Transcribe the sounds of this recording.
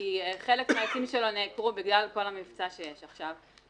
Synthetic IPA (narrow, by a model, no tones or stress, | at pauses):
ieχe̞lekmeakimʃelonekʁubiɡlalko̞lamift͡saʃejeʃaχʃav